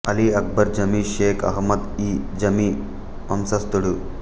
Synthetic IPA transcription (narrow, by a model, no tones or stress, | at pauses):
ɐliɐk̚bɐɾd͡ʒɐmiʃeːkʰɐ̰ɦmɐd̪id͡ʒɐmi | ɐmsɐst̪uɽu